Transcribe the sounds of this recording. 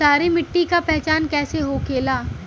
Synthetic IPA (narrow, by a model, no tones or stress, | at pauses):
aːɾemɪʈːikapɛɦt͡ʃaːnkɛːseɦokeːlaː